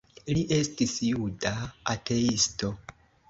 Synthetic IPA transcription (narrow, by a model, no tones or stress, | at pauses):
liʔe̞stisjudaːte̞isto̞